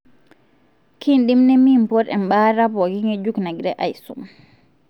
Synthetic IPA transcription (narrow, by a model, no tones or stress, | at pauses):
kinɗimnɛmimpɔɾɛ̰mɓaɾabɔɡiŋɛd͡ʒuknaɡɾɛʔa̰jsṵm